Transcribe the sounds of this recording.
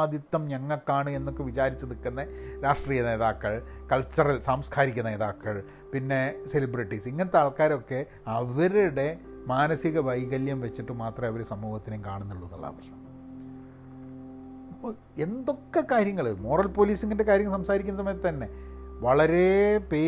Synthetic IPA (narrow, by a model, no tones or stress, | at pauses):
d̪ʱit̪ːɐmɲɐŋːɐɭkːaːɳɨenːokːe̞ʋit͡ɕaːɾit͡ɕːɐðikːɐnːɐɾaːʂʈriːjɐne̞ːðaːkːɐɭkɐɭt͡ɕːɐrɐlsaːmskʰaːɾikʲːunɐneːðaːkːɐɭ | pinːe̞selibriʈːisiŋːɐnet̪aːɭkaːɾo̞kːe̞ | ɐʋɐɾuɽe̞ | maːnɐsiɣɐʋɐjɣɐljɐmʋet͡ɕːiʈːɨmaːt̪rɐɐʋɐɾesɐmːuːhɐt̪ːinekaːɳunːiɭːunːɐ̰ɭːa̰ːpɐrɐ̥ʂɐm | end̪o̞kːekaːɾjɐŋːɐɭɨmo̞ːrɐlpo̞ːliːsiŋːɐnde̞kaːɾjɐŋːɐɭsɐmsaːɾikʲːunːɐsɐmɐjɐt̪ːɨt̪ɐnːe̞ʋɐɭɐɾe̞peː